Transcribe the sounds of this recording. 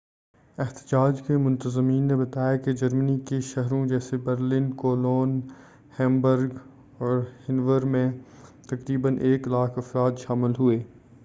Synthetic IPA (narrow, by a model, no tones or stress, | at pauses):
ɪɦt̪ɪd͡ʒaːd͡ʒkemʊ̃nt̪əzmiːnːebɐt̪aːjaked͡ʒɐɾmənikeʃɐɦɾõd͡ʒɛːsebəɾlɪnkoːloːn | hɛ̃ːmbəɾɡ | ɔːɾhɪnʋəɾmẽ | t̪ɐkɾiːbənʔeːklaːkʰɐfɾaːt̪ʃaːmɪlɦueː